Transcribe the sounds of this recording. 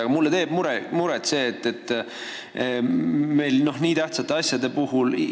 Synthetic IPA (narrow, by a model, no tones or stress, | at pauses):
ɑɡ̥ɑmulːe̞t̪e̞ːb̥muɾemuɾet̪se̞ːt̪ːet̪ːˑ | me̞jlno̞hniːt̪æht̪sɑt̪ːˑe̞ɑsjɑd̪e̞puɦul